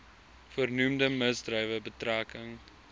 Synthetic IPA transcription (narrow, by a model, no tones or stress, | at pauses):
fərnumdəməzdrəjvəbətræːkəŋ